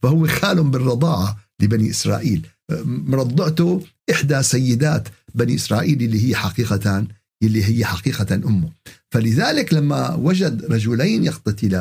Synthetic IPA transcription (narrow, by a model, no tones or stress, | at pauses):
fahʊwːɪxaːlhʊmbɪrˤːɑd̪ˤɑːʕalɪbaniʔɪsɾˤɑ̰ːʔḭːl | ɾˤɑd̪ˤːɪʕt̪ʊʔɪħd̪asajːɪd̪aːt̪baniʔɪsɾˤɑːʔiːlʔɪlːihɪjːaħaqiːqat̪an | jɪlːiɦɪjːaħaqiːqanʔʊmːʊfalɪðaːlɪklamːa̰wad͡ʒad̪ɾˤɑd͡ʒʊlaːnjɑqt̪at̪ɪla